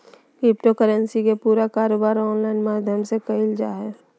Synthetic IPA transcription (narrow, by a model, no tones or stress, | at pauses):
kɾɪp̚ʈokəɾənsikepuːɾakaːɾoːbaːɾɔːnlaːɪnmaːd̪ʱjəmsekəɪld͡ʒa̰ːɦɛː